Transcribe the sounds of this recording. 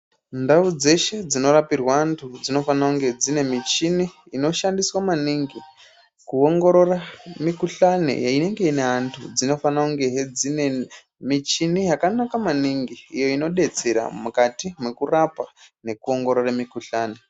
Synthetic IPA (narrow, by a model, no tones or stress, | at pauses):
ndaud͡ze̞ʃe̞d͡zino̞ɾapirwantʰud͡zino̞fanauŋɡe̞d͡zine̞mit͡ʃiniː | no̞ʃandiswamaniŋɡi | kuo̞ŋɡo̞ɾo̞ramikuɬanḛjaine̞ŋɡe̞ine̞antʰud͡zino̞fanauŋɡe̞ɦed͡zine | mit͡ʃinijakanakamaniŋɡiːjo̞ino̞ɗe̞t͡se̞ɾa̰mukatimekurapane̞kuo̞ŋɡo̞ɾoramikuɬaːne